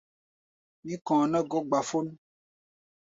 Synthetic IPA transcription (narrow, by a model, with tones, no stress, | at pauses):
nĩ˦kɔ̃˨nã˦ɡɔ˦ɡ͡ba˨fo˦n˦